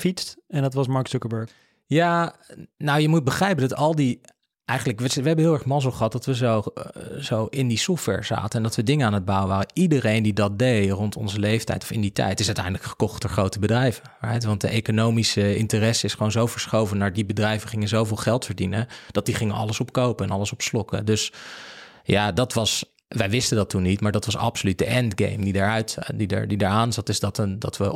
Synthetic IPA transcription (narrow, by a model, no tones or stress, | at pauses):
fitstɛndɑtʋɑsmɑɹksʊkəbɹk | ja | nawjəmud̚bəχrɛjpəndɑtɑlˠdi | ʔɛjχən̩ləkʋəʋəɦɛbəɦɪːlˠɛɹχmɑzoχəɦɑt̚dɑtʋəzowzowʔɪndisɔftʋɛ̰ɹz̥a̰ːtəɛndɑtʋədɪŋənaːnəd̚bawəʋaːrəʔidərejndidɑt̚dejrɔntʰɔ̰nzəlejftɛ̰jtɔ̥fɪ̰nditɛ̰jtɪsœɥtɛ̰jndələkχə̥kɔχd̥oːɹχrowtəbədrɛjvənɛtʋɑntdəʔejkonowmisəɪntərɛsəɪsχʋownzowvəɹsχowvənaːɹdibədrɛjvəχɪŋənzowvɪːlˠχɛlˠtfəɹdinənd̥ɑt̚d̥iχɪŋənɑ̰ləsɔpkowpəɛnɑləsɔpslɔkədɵs | jadɑtʋɑs | ʋɛjʋɪstəndɑtːunːitmaːɹdɑtʋɑsɑ̰psolyt̚dəʔɛndɡḛjmdidaɹœɥtdidə̰ɹdidaːɹaːnzɑtɪzdɑtəndɑ̰tʋə